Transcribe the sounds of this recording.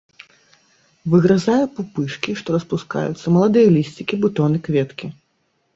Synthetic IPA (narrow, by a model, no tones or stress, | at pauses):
vɨɣɾazajɛpupɨʂkʲiʂt̪ɔɾɐspuska̰jṵt̪sːɐmɐlˠad̪ɨjɐlʲisʲt͡sʲikʲibut̪ɔnɨkvʲɛt̪kʲi